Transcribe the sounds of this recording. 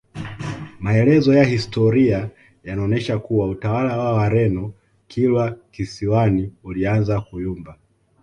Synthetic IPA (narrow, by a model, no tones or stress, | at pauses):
maɛlɛzɔjahistɔɾia | janaɔnɛʃakuwautawalawawaɾɛnɔ | kʰilwakisiwaniulianzakujumba